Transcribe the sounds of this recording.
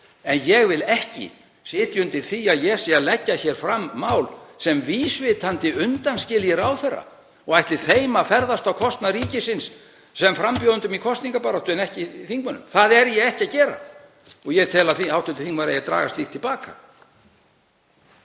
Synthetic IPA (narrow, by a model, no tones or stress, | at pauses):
ɛnjɛɣvɪlɛhcɪ̰ | sɪːt̪jʏnt̪ɪ̥θiaðjɛsialɛcːaçɛːɾ̥fɾamːaːwlsɛmviːsvɪt̪ʰant̪ɪʔʏnt̪anscɪljɪɾaːwθɛrːa̰ | ɔɣajht̪lɪ̥θeːjmafɛɾðast̪awkʰɔst̪naɾiːcɪsɪns | sɛmfɾampjɔːðʏnt̪ʏmikʰɔst̪niŋkapaːɾaht̪ʏɛnɛhcɪθiŋkmʏnːʏ̰mθaðɛɾjɛɣɛhcaðcɛːɾa̰ | ɔɣjɛt̪ʰɛːlaθihawht̪ʏnt̪ɪ̥θiŋkmaɾḛjɛt̪ɾa̰ːɣa̰st̪ixt̪ʰːɪlpaːka̰